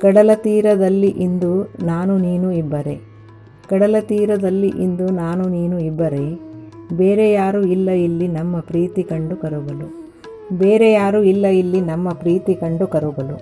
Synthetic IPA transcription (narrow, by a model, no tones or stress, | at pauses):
kɐɽɐlɐt̪iːɾɐd̪ɐlːiʔind̪unaːnuniːnuibːɐɾe | kɐɽɐlɐt̪iːɾɐd̪ɐlːiʔind̪unaːnuniːnuibːɐɾebe̞ːɾejaːɾuilːɐilːinɐmːɐpɾiːt̪ikɐɳɖukɐɾuɡɐlu | be̞ːɾejaːɾuilːɐilːinɐmːɐpɾiːt̪ikɐɳɖukɐɾuɡɐlu